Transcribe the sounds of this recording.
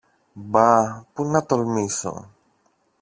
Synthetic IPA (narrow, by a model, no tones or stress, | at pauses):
bapunːat̪ɔlmisɔ̰